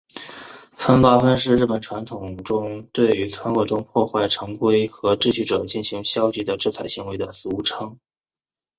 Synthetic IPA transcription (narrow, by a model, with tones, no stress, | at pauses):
t͡sʰwə˥npa˥fə˥nʂ̬ɻ̩˥˧ɻ̩˥˩pə˨˩nʈ͡ʂʰwa˧˥nt̪ʰʊ˨˩ŋʈ͡ʂʊ˥ŋt̪we˥˩ɪy˧˥t͡sʰwə˧˥nwɤ˧˥˩ʈ͡ʂʊ˥ŋpʰwɔ˥˧xwa˥˩ɪʈ͡ʂʰɤ˧˥ŋkwe˥ɪxɤ˧˥ʈ͡ʂɻ̩˥˧ɕy˥˩ʈ͡ʂɤ˨˩t͡ɕi˥˩nɕi˧˥ŋɕjɑ˥ʊt͡ɕi˧˥d̪ə˧ʈ͡ʂɻ̩˥˩t͡sʰa˧˥ɪɕi˧˥ŋwe˧˥ɪd̪ə˧sɹ̩˧˥u˧˩ʈ͡ʂʰɤ˥ŋ